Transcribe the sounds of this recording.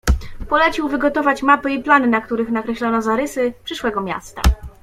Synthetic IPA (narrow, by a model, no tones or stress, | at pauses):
pɔlɛt͡ɕiwvɘɡɔt̪ɔvat͡ɕmapɘiplanɘnakt̪uɾɘxnakɾɛɕlɔnɔzaɾɘsɘpʂɘʂwɛɡɔmʲja̰st̪a̰